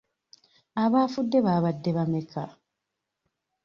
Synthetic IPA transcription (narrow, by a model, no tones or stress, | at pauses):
aβaːfudːeβaːβadːeβameka